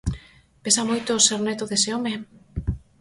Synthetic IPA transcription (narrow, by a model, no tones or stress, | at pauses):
pesamojt̪oseɾnet̪oðeseome